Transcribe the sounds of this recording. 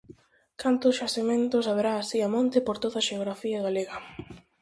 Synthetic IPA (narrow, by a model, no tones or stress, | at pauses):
kʰant̪ʊsʃasimẽnt̪ʊsaβeɾaːsiamõnt̪ɪpoɾt̪oðaʃeoɣɾafiɐɣaleɣɐ